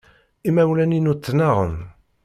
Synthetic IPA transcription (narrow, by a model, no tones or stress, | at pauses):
imæwlæninut͡s̪ːnɑʁə̰n